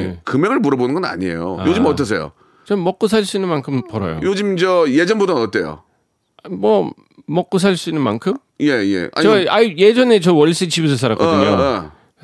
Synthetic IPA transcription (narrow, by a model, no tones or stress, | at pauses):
kɯmeɡɯɭmuɾʌbonɯnɡʌna̰ɲiḛjo̰ajod͡ʑɯmʌttʰʌs̬ʰejo̰ | t͡ɕʌmʌk̚k͈osʰaɭs͈uinːɯnmankʰɯmpʌɾʌ̰jo̰jod͡ʑimd͡ʑʌjed͡ʑʌnbudonʌt͈̚ejo̰ | mwʌ | mʌk͈̚os̬ʰaɭs͈uinːɯnmankʰɯm | jejḛʔa̰eaije̞d͡ʑʌne̞t͡ɕʌwʌɭs͈et͡ɕibus̬ʰʌsʰaɾakʌdɯɲo